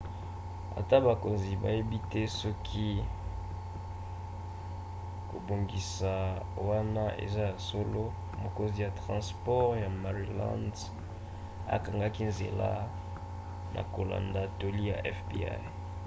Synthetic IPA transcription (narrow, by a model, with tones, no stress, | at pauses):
a̰˨ta˦ba˨ko˨nzi˨ba̰˨je˦bi˦tɛ˦sɔ˦kʰi˦ | ko˨bo˨ŋɡi˨sa˨wa˦na˦ḛ˨za˦ja˨so˦lo˦ | mo˨ko˦nzi˨ja˨tʁɑ̃˨spɔ˦ʁja˨ma˨ʁi˨lã̰˦nd | a̰˨ka˨ŋɡa˦ki˦nzḛ˨la̰˦ | nʔa̰˨ko˨la̰˨nda˨to˨li˦ja̰˨ʔɛ˦fpḭ˦a̰˦j